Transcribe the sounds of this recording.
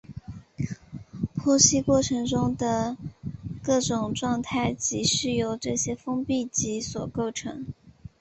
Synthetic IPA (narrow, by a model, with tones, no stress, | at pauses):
pʰwɔ˥ɕi˥kwɔ˥˩ʈ͡ʂʰɤ˧˥ŋʈ͡ʂʊ˥ŋd̪ə˨ | kɤ˥˩ʈ͡ʂʊ˨˩ŋʈ͡ʂwɑ˥˧ŋt̪ʰa˥˩ɪt͡ɕi˧˥ʂɻ̩˥˩jo˨˩ʊʈ͡ʂɤ˥˩ɕjɛ˥fɤ˥ŋpi˥˩t͡ɕi˧˥swɔ˨˩ko˥˩ʊʈ͡ʂʰɤ̰˧˥ŋ